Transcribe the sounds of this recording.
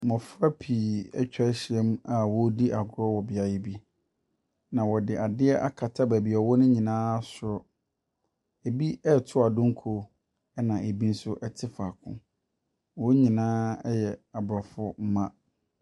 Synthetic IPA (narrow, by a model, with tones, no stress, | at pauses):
mɔ̃˨fɾa˦pʰiː˨ɛ̰˦t͡ɕᶣa˦ɕi˨ɛ˦m˦a˨wɔ˦di˦ʔa˨ɡɾɔ˦wɔ˨bɪ˨a˨jɪ˦bi˦ | nã˨wɔ˨dɪ˨ʔa˨dɪ˦ɛ˦ʔa̰˦kʰa˨tʰa˦bæ˨bi˨ɔ˨wɔ˦nʊ̃˦ɲĩ˨nãː˦sʊ˨ɾɔ˦ | e˨bi˦ɛ˦˨tʰʊ˦a˨dʊ̃˦ŋ̩˦kʰo˨˦ | ɛ˦nã˨ʔe˨bi˦n̩˦sʊ˦ʔɛ˨tʰɪ˦fa˨kʰʊ̰̃˦ | wɔ˦ɲĩ˨nãː˦ɛ˦jɛ˨a˨bɾa˨fʊ˦m̩˦mã˦